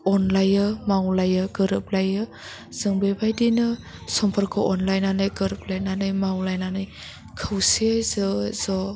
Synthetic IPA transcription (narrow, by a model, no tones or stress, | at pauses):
ɔnlajɯmawlajɯɡɯɾɯp̚lajɯ | z̥ɯŋbebajdinɯsɔmpʰaɾkʰɔʔɔnlajnanɯjɡɯɾɯp̚lajnanɯjmawlajnanɯj | kʰɯwsezɯzɔ